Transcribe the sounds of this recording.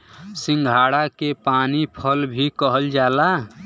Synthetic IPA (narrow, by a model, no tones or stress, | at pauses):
sĩŋɡʱaːɽakepaːnipʰəlbʱikəɦəld͡ʒaːla